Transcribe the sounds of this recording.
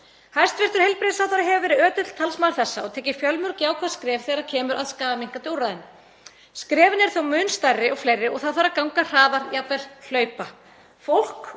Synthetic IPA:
hajst̪vɪr̥t̪ʏɾ̥hejlpɾɪðsawθaɾaɦɛvʏvɛːɾɪœːt̪ʏt̪l̥t̪ʰalsmaɾ̥θɛsːaɔɣt̪ʰɛːjcɪ̥fjœlmʏɾcjaːwkʰvaðskɾɛːv̥θɛɣaɾacʰɛːmʏɾʔaðskaːvamiŋ̥kat̪jowɾaðɪn | skɾɛːvɪnɪɛɾ̥θowmʏnst̪ajrːɪɔɣflejrːɪɔɣθaðθaɾakawŋkar̥aːðaɾjap̪vɛɾ̥l̥œːɥpa | fowl̥k

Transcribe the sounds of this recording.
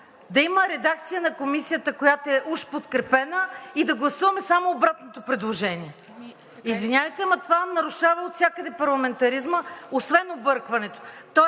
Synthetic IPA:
d̪ɐiməɾɛd̪ak̚t̪sijənɐkomisijət̪əkojat̪oɛʔuʃpot̪kɾɛpɛnəid̪ɐɡlˠɐsuvɐmɛsamoːbɾat̪not̪opɾɛd̪lˠoʒɛnʲiɛ | izvinʲavəjt̪ɛmɐt̪ovanɐɾʊʃavɐot̪sʲakəd̪ɛpɐɾlˠɐmɛnt̪ɐɾizməosvɛnobɤɾkvɐnɛt̪o̥t̪ɔ

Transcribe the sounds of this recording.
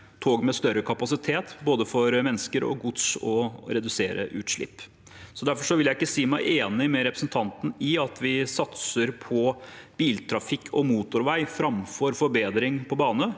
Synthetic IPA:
t̪ʰoːɡmɛst̪œɾəkʰɑpɑsɪt̪ʰeːt̪boːd̪əfɔɾmɛnːskəɾɔ̰ɡʊd̪sɔɾɛd̪ʉseːɾə̰ʔʉːt̪ʂɭɪ̰pː | sɔd̪æɾfɔʂɔʋɪljæɪɪkːəsiːmæɪʔeːnɪmɛɾɛpɾəsn̩t̪ʰɑnt̪n̩ɪɑt̪ʰʋɪsɑt̪səɾpʰɔb̥iːlt̪ʰɾɑfɪkʰːɔmuːt̪ʊɾʋæɪfɾɑmfɔɾfɔɾbeːd̪ɾɪŋpʰɔbɑːnə

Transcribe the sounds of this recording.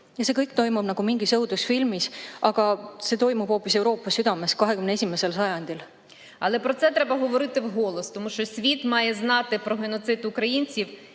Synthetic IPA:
jɑsekɤjkt̪o̞jmubnɑɡ̥umiŋɡisɤwd̪usfilmisʔɑɡ̥ɑse̞t̪o̞jmub̥ho̞ːpːise̞wɾo̞ːpːˑɑsyd̪ɑme̞skɑɦekymneesʲimese̞lsɑjɑnʲd̪̥ʲil | ɑlˠepɾɔt̪sɛt̪ɾɛbɐɦoʋoɾɪt̪ɪwɦo̞lˠost̪ɔmuʃt͡ʃɔsʲʋʲit̪mɑjeznɑt̪ɪpɾɔɦenot̪sɪt̪ukɾɐjinʲt͡sʲiw

